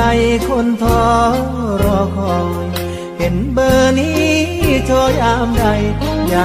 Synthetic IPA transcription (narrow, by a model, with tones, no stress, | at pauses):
a˧jkʰo˧˥nt̪ʰɔː˧˦ | ɾɔː˧˩kʰɔː˧˩ŋ˧ | pe˨˦nbɤː˧niː˧˥t͡ɕ̪ʰɔː˧jaː˧˦mda˧˩j | jaː˨˧˩